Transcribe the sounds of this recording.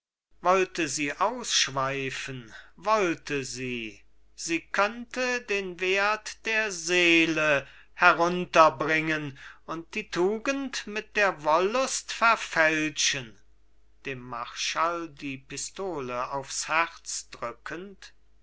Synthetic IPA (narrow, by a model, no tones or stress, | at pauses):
vɔltəziːʔaʊsʃv̥aɪfənvɔltʰəziː | z̥iːkʰœntədeːnveːɐtd̥eːɐzeːlə | hɛʁʊntɐbʁɪŋənʊnt̚d̥iːtʰuːɡəntmɪt̚d̥eːɐvɔlʊstfɛɐfɛlʃən | d̥eːmːaʁʃaldiːpɪstoːləaʊfshæʁt͡sd̥ʁʏkʰənt